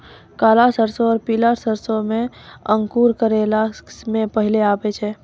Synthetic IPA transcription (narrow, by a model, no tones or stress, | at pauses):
kaːlasəɾsoɔːɾpilaɾsəɾsomẽəŋkuɾkəɾelamẽpəɦileaːbɛt͡ʃʰɛː